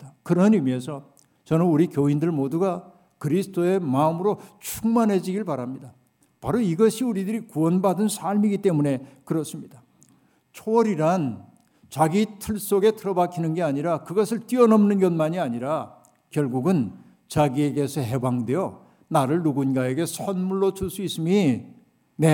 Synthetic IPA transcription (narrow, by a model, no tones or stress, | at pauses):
akɯɾʌɲimjʌnsʰʌ | t͡ɕʌnɯnuɾikjoindɯɭmoduɡa | kɯɾisʰɯ̥t͈ʰoe̞maɯmɯɾot͡ɕʰuŋmanɦe̞d͡ʑiɡiɭpaɾamɲida | paɾoiɡʌɕʰiuɾidɯɾikuʌnbadɯnsʰaɭmiɡit͈e̞mune̞kɯɾʌs͈ɯmɲida | t͡ɕʰoʌɾiɾan | t͡ɕaɡitʰɯɭs͈oɡe̞tʰɯɾʌbakʰinɯnɡe̞aɲiɾakɯɡʌsʰɯɭt͈iʌnʌmnɯnɡʌnmaɲiaɲiɾa | kjʌɭɡuɡɯn | t͡ɕaɡie̞ɡe̞sʰʌɦe̞baŋdwe̞jʌ | naɾɯɭnuɡunɡae̞ɡe̞sʰʌnmuɭːot͡ɕuɭs͈uis͈ɯmi | ne